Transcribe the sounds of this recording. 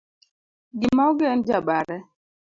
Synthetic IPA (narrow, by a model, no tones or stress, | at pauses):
ɡɪmaoɡɛnd͡ʒabaɾɛ